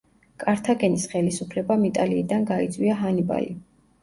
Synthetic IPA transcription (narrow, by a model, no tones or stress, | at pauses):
kʼaɾt̪ʰaɡɛnisχɛlisupʰlɛbamit̪ʼaliːd̪anɡait̪sʼwiaɦaniba̰li